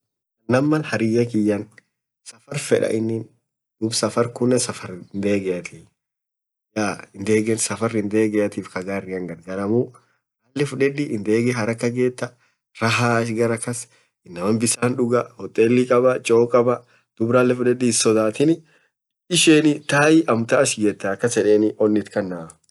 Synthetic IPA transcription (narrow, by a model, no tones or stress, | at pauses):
ɐnɐmːɐlhɐɾɪjɐkɪjːɐn | sɐfɐɾfɛᶑɐ̰ʔɪnːɪn | d̪̥ʊbsɐfɐɾkʊnːɛsɐfɐɾnd̪eːɡɛʔɐt̪ʰiː | jaːɪnd̪e̞ːɡɛnsɐfɐɾɪnd̪eːɡɛjɐt̪iːfkɐɡaːrːɪɐŋɡɐɾɡɐɾɐmʊ | alːɛfʊᶑɛᶑ̪ɪʔɪnd̪e̞ːɡɛɦɐɾɐkːɐɡe̞ːt̪ːɐ | ɾɐɦaːɐʃ̬ɡɐɾɐkːɐs | ɪnːɐmɐnbɪsaːnᶑʊɡɐhɔt̪ʼːeːlːɪkʼɐbɐt͡ʃʼoːkʼɐbɐ | d̪̥ʊbɾɐːlːɛfʊᶑɛd̪ːɪːsɔd̪aːt̪ɪnɪ | ɪʃeːnɪt̪aːjɪʔɐmt̪aɐʃɡɛːt̪ːɐɐkːɐsɛᶑeːnɪʔɔnːɪt̪kɐnːa